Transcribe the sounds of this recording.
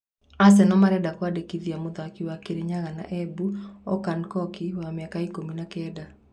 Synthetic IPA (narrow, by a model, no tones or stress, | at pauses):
as̬ɛnɔmaɾɛdakwadekiðiamoðakiwakeɾeɲaɣana̰ʔɛbuɔkankɔkiwameakaikominakɛːda